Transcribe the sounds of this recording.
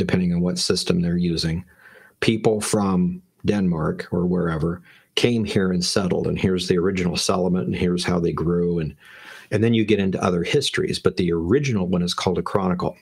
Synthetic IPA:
d̥ɨpʰɛ̃ndɪ̃ŋə̃nwʌtsɪstɨ̃mðə˞jʉzɪ̃ŋ | pʰipl̩ˠfɹʌ̃m | dɛ̃nmɑɹkə˞wə˞ɛvə˞ | kʰẽɪ̃mhiɹɨ̃nsɛɾl̩ˠdə̰̃nhɪɹzðiə˞ɪd͡ʒɨnl̩ˠsɛlˠəmə̃nn̩hiɹz̥haʊðeɪɡɹoɨ̃nɨ̃nðɨ̃njɨɡɛɾɪ̃ntṵʔʌ̰ðə˞hɪstɹ̥ḭzb̥ʌt̪̚ðiə˞ɪd͡ʒɨnl̩ˠwʌ̃nɨz̥kʰɔlˠdəkʰɹ̥ɑnɨkl̩ˠ

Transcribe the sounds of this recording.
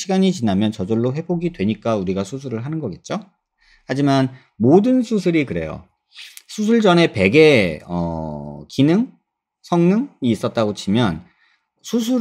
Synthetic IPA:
iɡaɲit͡ɕinamjʌnt͡ɕʌd͡ʑoɭːoɸe̞boɡidwe̞ɲik͈auɾiɡasʰusʰuɾɯɭɦanɯnɡʌɡet̚t͡ɕ͈o | had͡ʑiman | modɯnsʰusʰɯɾikɯɾe̞̰jo̰ | sʰus̬ʰuɭd͡ʑʌne̞pe̞ɡe̞ʌ̰kinɯŋ | sʰʌŋnɯŋiːs͈ʌt̚t͈aɡot͡ɕʰimjʌn | sʰus̬ʰu

